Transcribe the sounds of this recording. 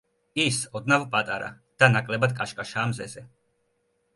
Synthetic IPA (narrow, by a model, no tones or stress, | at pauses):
isɔd̪navpʼat̪ʼaɾa̰ | d̪̥anakʼlɛbad̪̚kʼaʃkʼaʃaːmzɛzɛ